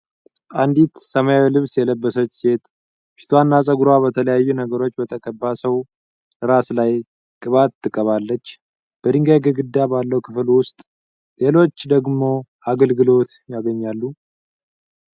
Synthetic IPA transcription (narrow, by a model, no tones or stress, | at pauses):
ʔand̪it̪səmajawilɨβsjɛləbːəsət͡ʃːse̞t̪ʼ | fi̥t̪ʰwanːasʼəɡɾwaβət̪ʰələjajːunəɡəɾo̞t͡ʃːbət̪ʰəkʼəbːasəw | ɨɾaslaj | kʼɨβat̪ʰːɨkʼːəβalːət͡ʃː | b̥əd̪ɨŋɡajɡəɡɨd̪ːabalːəwkʰɨflwʊst̪ʼ | le̞lo̞t͡ʃːd̪əɡmo̞ʔaɡəlɡɨlo̞t̪jaɡəɲːalːu